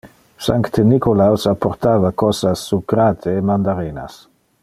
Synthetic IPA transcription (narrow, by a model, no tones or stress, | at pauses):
sa̰ŋkt̪enikolawsapːoɾt̪aːvakɔsasːukɾat̪ʰeːmand̪aɾena̰s